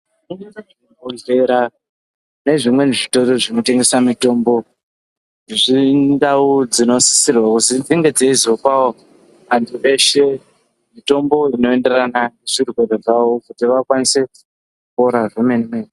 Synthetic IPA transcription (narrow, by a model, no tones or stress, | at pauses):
uɲaain | oɮe̞ɾa | ne̞ʐimwe̞neʐito̞roʐino̞te̞ŋɡe̞samito̞mbo̞ | ʐindaud͡zino̞si̥sirwakuzid͡ziŋɡe̞d͡zeizopawo | ʋantʰuʔe̞ʃe̞ | mito̞mbo̞ino̞e̞nde̞rananeʐirwe̞reʐawokutiʋakwanise̞ | kupo̞ɾavemenimen